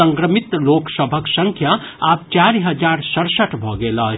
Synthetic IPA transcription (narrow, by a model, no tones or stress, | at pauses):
ə̃ŋkɾəmɪt̪loːksəbʱəksə̃ŋkʰja | aːp̚t͡ʃaːɾiɦəd͡ʒaːɾsəɽsəʈʰbʱɔɡelaː